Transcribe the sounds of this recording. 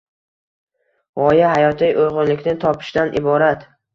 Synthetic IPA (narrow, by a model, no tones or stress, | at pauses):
vɒjahajɒt̪ʰɪjʔojʁʊnlɪkʲnɪt̪ʰɒpʰɪ̥ʃd̪anʔɪ̰bɒɾat̪